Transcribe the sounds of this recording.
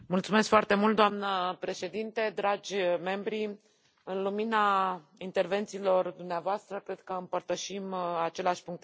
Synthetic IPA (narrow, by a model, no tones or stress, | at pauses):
mult̪sume̞skfoart̪e̞mult̪̚d̪oamnəpɾe̞ʃe̞d̪int̪e̞d̪ɾad͡ʒʲme̞mbɾi | ɨnlumina | int̪e̞rve̞nt̪siːlo̞rd̪umneavoast̪ɾəkɾe̞d̪̚kəɨmpərt̪əʃimat͡ʃe̞leaʃʲpuŋk̚t̪